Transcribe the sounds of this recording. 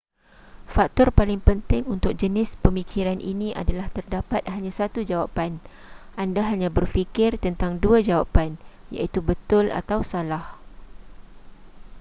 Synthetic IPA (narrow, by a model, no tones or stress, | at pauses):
fak̚t̪ɔrpalɪŋpənt̪ɪŋunt̪ʊk̚d͡ʒənɪspəmikʰiɾanʔḭnĩʔa̰dalaht̪ərdapat̪̚haɲãsat̪ud͡ʒawapan | ʔandaɦaɲãbərfikɪrt̪ənt̪aŋduad͡ʒawapan | ja̰it̪ubət̪ʊla̰t̪awsalah